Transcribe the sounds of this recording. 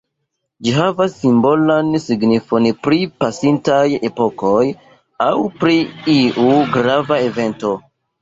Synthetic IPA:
d͡ʒiɦavasːimbo̞lansiɡnifo̞npɾipasintaje̞po̞ko̞j | awpɾiiʔuɡɾavae̞ve̞nto̞

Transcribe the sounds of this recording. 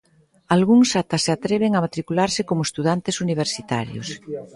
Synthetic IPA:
alɣuŋsat̪aseat̪ɾɛβ̞eŋamat̪ɾikulaɾsɪkomoest̪uðant̪esuniβ̞eɾsit̪a̰ɾjo̰s

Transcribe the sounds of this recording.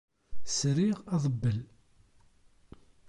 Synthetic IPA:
sɾiʁɑðˤəbːəl

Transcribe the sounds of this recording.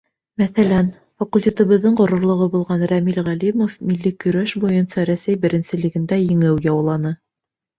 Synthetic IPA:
mæθælæn | fɐkulʲtʲe̞t̪ɤ̆βɤ̆ðːɤɴɢŏɾŏɾlˠŏʁɤbulˠʁɑnɾæmilʁælimofmilːikɵ̆ɾæʃbujɤnsɑɾæsæjbɘ̆ɾɘ̆nsɘ̆lɘ̆ɡɘ̆nd̪æjɘ̆ŋɘwjɑwlˠɑnɤ

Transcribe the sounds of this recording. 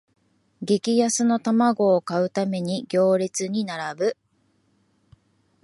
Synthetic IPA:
ɡe̞kʲijasɨno̞t̪amaɡo̞ːkaɯ̟t̪ame̞ɲ̟iɡʲo̞ːɾʲit͡sɨɲ̟inaɾabɯ̟

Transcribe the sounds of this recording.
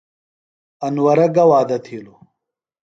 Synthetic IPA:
ɐnwɐɾɐɡɐwaːd̪ɐt̪ʰiːlo

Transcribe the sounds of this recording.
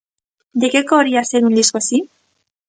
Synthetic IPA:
d̪ekekoːɾiast̪eɣund̪iskosi

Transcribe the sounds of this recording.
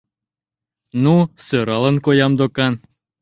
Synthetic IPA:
nusøɾɑlə̆nkojɑmd̪okɑn

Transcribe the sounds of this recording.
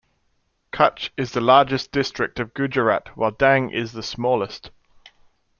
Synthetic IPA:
kʰʌt͡ʃɪzðəlɑːd͡ʒɪsd̥ɪstɹ̥ɪk̚təvɡʉd͡ʒəɹa̰ʔwa̰ɪlˠdãŋʔɪ̰zðəsmɔːlɪst

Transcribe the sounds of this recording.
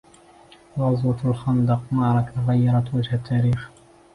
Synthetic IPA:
ʊzˤwɑt̪alxɑnd̪ɑqmɑʕɾˤɑk̪ɣajːɑɾˤɑt̪wad͡ʒhat̪ʰːaːɾiːx

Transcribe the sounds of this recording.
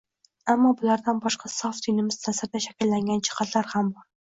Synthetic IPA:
æmːɒbʊlæɾd̪ænbɑʃqʰɑsɑfd̪ʰinɪmɪz̥t̪ʰæsɪɾd̪ɛʃækʲilːæŋɡʲɛnt͡ʃʰə̥qʰɑt̪ʰlaɾhambɒɾ

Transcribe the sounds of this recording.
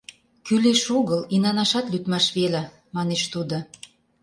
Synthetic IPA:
kyleʃuɣəlinɑnɑʃɑt̪lyt̪mɑʃβelæ | mɑneʃt̪ud̪o

